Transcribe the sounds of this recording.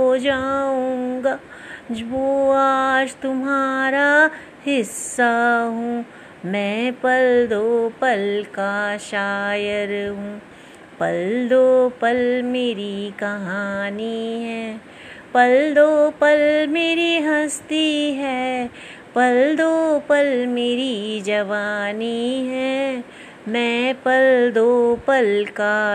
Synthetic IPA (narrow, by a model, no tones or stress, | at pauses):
od͡ʒaːũːɡaː | d͡ʒʋoaːd͡ʒt̪ʊmɦaːɾa | hɪsːaɦũː | mɛ̃ːpɐld̪opɐlkaʃaːjəɾɦũː | pɐld̪opɐlmeːɾikɐɦaːniɦɛː | pɐld̪opɐlmeːɾiɦɐst̪iɦɛ | pɐld̪oːpɐlmeːɾid͡ʒɐʋaːniɦɛ | mɛ̃pɐld̪oːpɐlka